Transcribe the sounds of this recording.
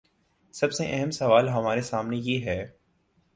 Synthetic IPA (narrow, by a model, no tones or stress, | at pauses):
sɐbseʔɛɦəmsɐʋaːlɦɐmaːɾesaːmnejeːɦɛː